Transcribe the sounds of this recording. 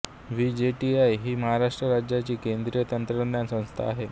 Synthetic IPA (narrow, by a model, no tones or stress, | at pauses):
ʋid͡ʑeʈiajɦiːməɦaɾaʂʈɾəɾad͡ʑjat͡ɕiːkend̪ɾijət̪ənt̪ɾənjasə̃w̃st̪ʰa̰ːɦe